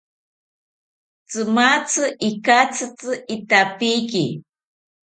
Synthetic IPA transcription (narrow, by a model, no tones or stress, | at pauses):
t͡sɨmat͡sʰɨʔikat͡sʰɨt͡sɨit̪apiki